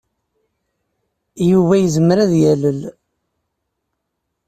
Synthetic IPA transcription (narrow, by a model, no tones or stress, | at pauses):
juvæjəzəməɾæðjæləl